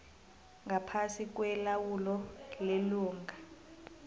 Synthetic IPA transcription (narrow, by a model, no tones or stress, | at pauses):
ŋɡapʰasik̬ʼwɛlawulɔleluːŋɡʱa